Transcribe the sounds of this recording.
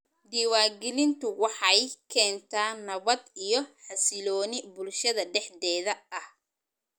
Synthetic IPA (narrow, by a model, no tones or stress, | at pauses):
d̪iːwaːɡɪlɪnt̪ʊwɑħɑjkʰɛːnt̪ʰaːnːɐβɐd̪ijɞħɑsɪlɔːnɪbʊlʃɐðɐɖɛħdɛːðɐʔɐh